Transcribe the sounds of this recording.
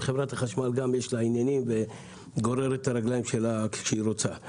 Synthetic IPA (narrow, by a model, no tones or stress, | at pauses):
χevʁat̪haχaʃmalɡamjeʃlainjanimve | ɡo̞ɾeɾet̪aɾaɡlajimʃe̞laʃeiɾot͡sa